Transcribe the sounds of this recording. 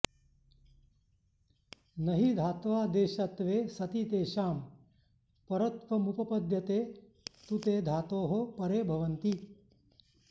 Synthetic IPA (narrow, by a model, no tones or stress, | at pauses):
nɐɦid̪ʱaːt̪ʋaːd̪eːʃɐt̪ʋeːsɐt̪it̪eːʃaːm | pɐɾɐt̪ʋɐmupɐpɐd̪ʱjɐt̪eː | t̪ut̪eːd̪ʱaːt̪oːɦopɐɾeːbʱɐʋɐnt̪i